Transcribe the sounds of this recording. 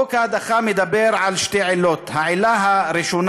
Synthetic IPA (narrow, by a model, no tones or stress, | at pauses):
okad̪aχamed̪abeɾʕalʃteʕelot̪haʕelaɦaɾiʃon